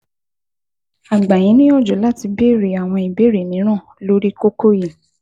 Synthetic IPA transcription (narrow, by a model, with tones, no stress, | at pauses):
a˨ɡ͡ba˨jĩ˨˦nĩ˦ɔ˦˨d͡ʒo˨˦la˦˨ti˧be˦˨ɾe˨a˨w̃ɔ̃˧i˨be˨˦ɾe˨nĩ˨˦ɾ̃ã˦˨lo˦ɾi˦ko˦ko˦ji˨